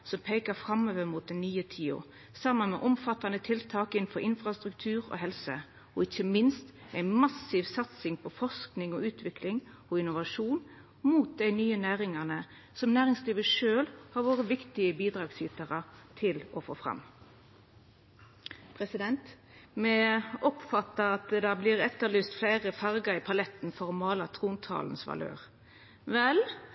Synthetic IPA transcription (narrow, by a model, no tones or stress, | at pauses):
sɔmpʰeːkəfʁɑmøːʋəmuːt̪̚d̪ɛnːyːət̪ʰiːʊ̰ | sɑmənmɛ̰ʔɔmfɑt̪ɑnət̪ʰɪlt̪ʰɑːkɪnn̩fɔɾɪnfʁɑst̪ʁʉk̚t̪ʰʉːʁɔ̰ɦɛlsə | ɔɪçəmɪnst̪ | æɪnmɑsiːʋsɑt̪sɪŋpʰɔfɔʁsknɪŋɔʉːt̪ʰʋɪklɪŋ | ɔɪnʊʋɑʂuːn | muːt̪̚d̪æɪnyːənæːʁɪŋɑʁnə | sɔmnæːʁɪŋsliːʋəʂøːlhɑʁʋoːʁəʋɪkt̪ɪəbiːd̪ʁɑːɡsiːt̪əʁət̪ʰɪlɔfo̰ːfʁɑ̰m | pʰʁɛsɪd̪ɛnt̪ | mɛɔpfɑt̪ːəɑt̪d̪ɑblɪːʁɛt̪ːəlyːst̪flæɪʁəfɑʁɡəɪpʰɑlɛt̪nfɔʁɔmɑːlɑt̪ʰʁuːnt̪ʰɑ̰ːln̩sʋɑ̰lø̰ːʁ | ʋɛl